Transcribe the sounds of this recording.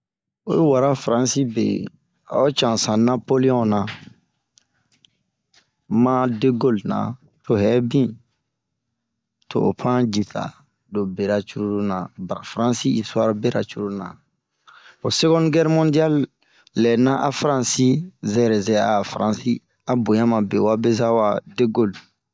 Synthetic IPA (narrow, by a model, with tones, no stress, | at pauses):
o̰˦ju˦wa˨ɾa˦fɾã˦si˦bḛ˨ | a̰˨o˦t͡ʃã˨sã˨na˦po˦li˦ɔ̃˦na˨ | ma˦de˦ɡo˦lnã̰˨ | to˨ɦɛ˦bĩ˦ | to̰ː˨pʰã˦d͡ʒi˨tʰa̰˨ | do˨be˨ɾa˨t͡ʃu˦ɾu˦ɾu˦nã˨ba˨ɾa˨fɾã˦si˦i˨sa˦ɾbe˦ɾa̰˨t͡ʃu˦ɾu˦nã̰˨ | o˨se˦ɡɔ̃˦nɡɛ˦ɾmɔ̃˦di˦a˦lː | ɛ˨nã˦ʔa˨fɾã˦si˦zɛ˦˨ɾɛ˨zɛ˦˨a˨fɾã˦˨si˦ | a˨bõ˨jã˦mã˨be˨wa˦be˦za˦wa˨de˦ɡo˦l